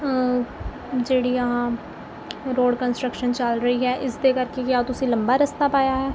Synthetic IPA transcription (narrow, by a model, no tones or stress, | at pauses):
d͡ʒeːɽiːəɦãː | ɾoːɖkənsʈɾəkʃənt͡ʃəlɾəiːɦɛːʔɪsd̪eːkəɾkekjaːt̪ʊsĩːləmbaːɾəst̪aːpaːjaːɦɛː